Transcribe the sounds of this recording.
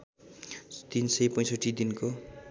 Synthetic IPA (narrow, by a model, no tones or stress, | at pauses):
t̪insʌjpʌj̃sʌʈid̪inko